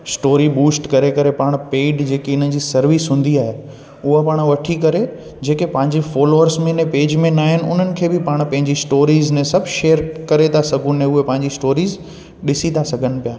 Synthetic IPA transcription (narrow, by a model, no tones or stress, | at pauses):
sʈoːɾibuːsʈkɐɾekɐɾepaːɽ̃peːɖd͡ʑeːkeʊn̤ənɪ̆d͡ʑiːsɐɾʋisɦʊ̃ːn̆d̪iaːɦe | ʊɦapaːɽ̃ʋɐʈʰikɐɾe | d͡ʑeːkepɐ̃ɦɪ̃ɲd͡ʑifɔːloːəɾsmẽnẽpeːd͡ʑmẽnaːɦɪnɪ̆ʊ̰n̤ənɪ̆kʰeːbɪpaːɽ̃pɐ̃ɦɪ̃ɲd͡ʑisʈoːɾiːznẽsɐbʱʃeːəɾkɐɾet̪ʰasɐɡʱʊnẽʊɦepɐ̃ɦɪ̃ɲd͡ʑisʈoːɾiːz | ɗɪsit̪ʰasɐɡʱənɪ̆pijaː